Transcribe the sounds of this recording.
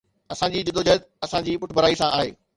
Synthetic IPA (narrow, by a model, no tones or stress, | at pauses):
ɐsãd͡ʑiːd͡ʑɪd̪od͡ʑət̪ | ɐsãd͡ʑiːpʊʈʰbʱɐɾaːisãʔaːɦḛː